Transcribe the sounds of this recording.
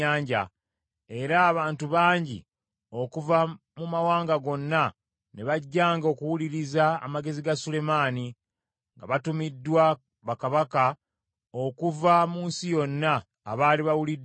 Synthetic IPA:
aːɲɟa̰ | e̞ɾaːβaːntuβaːɲɟḭ | o̞kuva | mumawaːŋɡaɡo̞nːa | ne̞βaɟːaːŋɡo̞ːkuwuliɾiza̰ːmaɡe̞ziɡasule̞maːni | ŋɡa̰βatumidːwa | βakaβaka | o̞kuvamuːnsijo̞nːaː | βaːliβawulid

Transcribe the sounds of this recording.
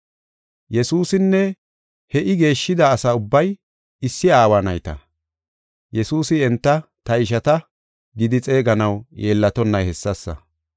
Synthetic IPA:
jɛsuːsɪnːɛ | hɛʔɪɡe̞ːʃːɪd̪aːsɐʊbːɐj | ɪsːɪaːwanɐ̰jt̪ɐ̰ | jɛsuːsɪɛnt̪ːɐ | t̪ɐɪʃ̬ɐt̪ɐ | ɡɪd̪ɪt͡sʼe̞ːɡɐnɐwjeːlːɐt̪ɔnːɐjhɛsːɐsːɐ̰

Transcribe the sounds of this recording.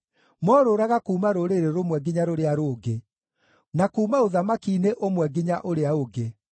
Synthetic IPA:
mɔɾoɾaɣakuːmaɾoɾeɾeɾomwɛɡiɲaɾoɾeaɾoːɡe | nakuːmaoðamakineʔomwɛɡiɲaʔoɾeaoɡe

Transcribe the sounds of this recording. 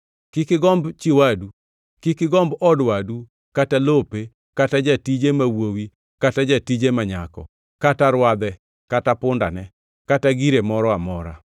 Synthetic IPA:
kɪkɪɡɔmbt͡ʃiwadu | kɪkɪɡɔmbɔdwadu | katalope | katad͡ʒatid͡ʒemawowi | katad͡ʒatid͡ʒemaɲakɔ̰ | kataɾwad̪ɛ | katapʊnda̰nɛ | kataɡiɾemɔɾɔamɔɾa̰

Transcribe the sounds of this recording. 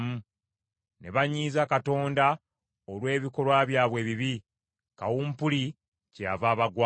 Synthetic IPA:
mu | ne̞βaɲːiːzakato̞ːnda | olwe̞ːβiko̞lwaβjaːβwe̞ːβiβi | kawuːmpuli | cavaːβaɡwa

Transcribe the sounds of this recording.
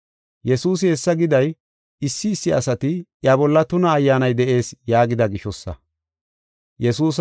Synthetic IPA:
jɛsuːs̬ɪhɛsːɐɡɪd̪ɐj | ɪsːɪːsːɪɐsɐt̪ɪʔjɐbɔlːɐt̪ʊnɐːjːaːnɐjd̪ɛʔe̞ːsjaːɡɪd̪ɐɡɪʃɔsːɐ̰ | jɛsuːs

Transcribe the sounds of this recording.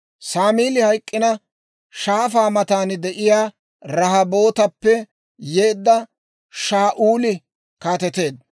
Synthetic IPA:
saːmiːlɪhɐjkʼːɪnɐ | ʃaːfaːmɐt̪aːnd̪ɛʔɪjaː | ɾɐɦɐbo̞ːt̪ɐpːɛ | jeːd̪ːɐ | ʃaːʔuːlɪ | kaːt̪ɛt̪e̞ːd̪̚

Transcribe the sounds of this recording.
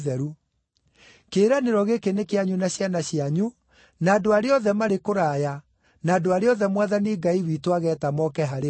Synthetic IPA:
ðɛɾu | keːɾaneɾɔɣekenekeaɲunaɕjanaɕjaɲu | naːdoaɾeɔðɛmaɾekoɾaːja | naːdoaɾeɔðɛmwaðaneɡaiwitowaɣɛːtamɔkɛɦaɾe

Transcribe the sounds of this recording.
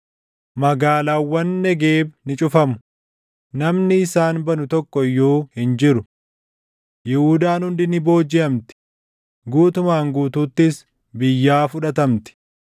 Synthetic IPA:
mɐɡaːlaːwːɐnːɛɡeːbnɪt͡ʃʼʊfɐmʊ | nɐmnɪːsaːnbɐnʊt̪ɔkːɔjːoːhɪnd͡ʒɪɾʊ | jɛhuːd̪aːnhʊnd̪ɪnɪbo̞ːd͡ʒɪɐmt̪ɪ̥ | ɡuːt̪ʊmaːŋɡuːt̪uːt̪ːɪs | bɪjːaːfʊᶑɐt̪ɐmt̪ɪ̥

